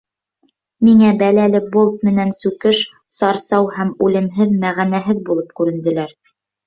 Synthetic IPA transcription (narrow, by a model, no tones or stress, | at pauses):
miŋæbælælɘbolˠt̪̚mɘ̆nænsʉkɘʃ | sɑɾsɑwhæmʉlɘ̆mɦɘðmæʁænæɦɘðbulˠɤp̚kʉɾɘ̆nd̪ɘ̆læɾ